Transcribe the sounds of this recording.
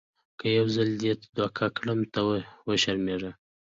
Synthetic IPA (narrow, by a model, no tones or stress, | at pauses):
kəjawzald̪et̪d̪wɑkʰɑkɽəmt̪awəʃaɾmeʐa